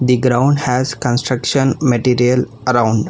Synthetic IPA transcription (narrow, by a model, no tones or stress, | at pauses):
d̪iɡɾãʊ̃ɳɖhæzkə̃nsʈɾəkʃə̃nmeʈiːɾiəl | ɐɾãʊ̃ɳɖ